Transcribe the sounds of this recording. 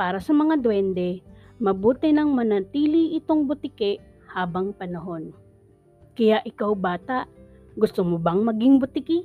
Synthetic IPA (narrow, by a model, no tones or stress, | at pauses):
paːɾɐsɐmɐŋad̪wɛnd̪ɛmɐbuːt̪ɪnɐŋmɐnɐt̪iːlɪʔɪt̪oŋbʊt̪ɪkɛʔ | haːbɐŋpɐnɐɦo̞n | kɐjaʔɪkawbaːt̪aʔ | ɡʊst̪omʊbɐŋmɐɡɪŋbʊt̪ɪkɪ